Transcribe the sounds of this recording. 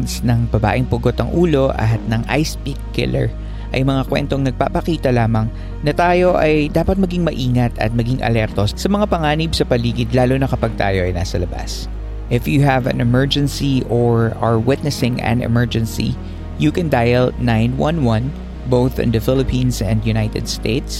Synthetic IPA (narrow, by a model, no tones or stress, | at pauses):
snɐŋbɐba̰ːʔɪŋpʊɡot̪ɐŋʔuːlo̞ʔɐ̰ɦat̪̚nɐŋʔa̰jspikːɪ̰lɛ̰ɹ | ʔɐjmɐŋakwɛ̰nt̪oŋnɐɡ̚papɐkiːt̪ɐlaːmɐŋ | nɐt̪aːjo̞ʔɐjd̪aːpɐt̪̚mɐɡiŋmɐʔiːŋɐt̪ɐ̰t̪̚mɐɡiŋʔɐ̰lɛɾt̪o̞sɐmɐŋapɐŋaːnib̚sɐpɐliːɡɪd̪laːlonɐkɐpɐɡ̚t̪a̰ːjo̞ʔɐ̰jna̰ːsɐlɐba̰s | ʔɪfjuɦɐvɐ̰̃nɛmɛɹd͡ʒɛnsiʔoɹɐɹwɪt̪̚nɛsɪŋɛ̰̃nɛ̰mɛɹd͡ʒɛnsḭ | jukɛ̃nd̪ajɛlnajnwɐ̰̃nwɐ̃n | bowθɪ̰̃nd̪ɐfɪlɪpĩːnsɛ̰̃nd̪jʊnajt̪ɛ̰d̪st̪eɪt̪s